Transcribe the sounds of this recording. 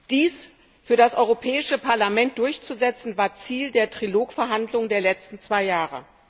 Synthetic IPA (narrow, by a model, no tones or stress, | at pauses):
d̥iːs | fyːɐɾdasʔɔʏʁopʰɛːɪʃəpʰaɐlamɛnt̚d̥ʊɐçt͡suzɛt͡sn̩vaːɐt͡siːldeːɐtʁ̥iloːkfɛɐɦandlʊŋəndeːɐlɛt͡stn̩t͡sv̥aɪjaːʁə̰